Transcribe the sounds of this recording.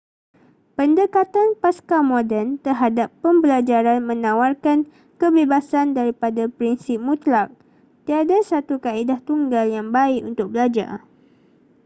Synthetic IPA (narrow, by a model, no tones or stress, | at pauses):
pəndəkat̪anpaskamodɛnt̪ərɦadapːəmbəlad͡ʒaɾanmə̃nãwarkan | kəbebasandaɾipadapɾinsɪp̚mũt̪lak̚ | t̪iadasat̪ukaidaht̪uŋɡaljaŋbaɪkunt̪ʊk̚bəlad͡ʒa̰r